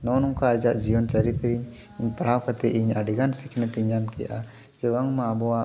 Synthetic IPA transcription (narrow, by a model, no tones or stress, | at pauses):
nɔnɔŋkaːd͡ʒaʔd͡ʒijɔnt͡ʃəɾit̪ɾiɲ | iɲpaɽ̤awkat̪ɛʔiɲaɖiɡansikʰnɛt̪iɲamkɛja̰ʔa | d͡ʒɛwaŋmaːbɔwa